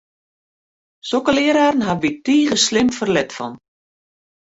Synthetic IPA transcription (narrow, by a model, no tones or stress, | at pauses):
sokəlɪəɾaːɾn̩ɦaʋitiːɣəslɪmfərlɛtfɔ̰n